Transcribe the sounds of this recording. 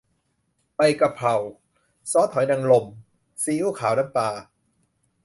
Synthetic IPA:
pa˧jka˧pʰɾa˨˩w | sɔː˦˥t̪ʰɔ˨˩˦jna˧ŋlo˧˩m | siː˧˦ʔuː˥˩kʰaː˩˦wna˧˥˦paː˧

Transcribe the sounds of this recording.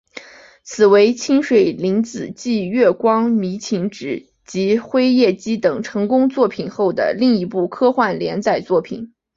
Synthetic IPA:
t͡sʰɹ̩˨˩we˧˥ɪt͡ɕʰi˥nʂwe˨˩ɪli˧˥ŋt͡sɹ̩˨˩t͡ɕi˥˧ɥɛ˥˩kwɑ˥ŋmi˧˥t͡ɕʰi˧˥ŋʈ͡ʂɻ̩˨˩ | t͡ɕi˧˥xwe˥ɪjɛ˥˩t͡ɕi˥t̪ɤ˨˩ŋʈ͡ʂʰɤ˧˥ŋkʊ˥ŋt͡swɔ˥˩pʰi˨˩nxo˥˩ʊd̪ə̰˩li˥˩ŋi˧˥pu˥˩kʰɤ˥xwa˥˩nljɛ˧˥nt͡sa˥˩ɪt͡swɔ˥˩pʰḭ˨˩˦n

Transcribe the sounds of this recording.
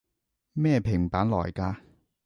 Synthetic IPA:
mɛː˥˧pʰɪ˨˩ŋpaː˨˥nlɔ̰ː˨˩jkaː˧

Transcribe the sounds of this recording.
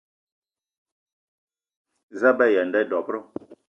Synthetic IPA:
za˦bɛ˦˨jɛ˨n˨dɛ˦˨dɔ˨pɾɔ˦

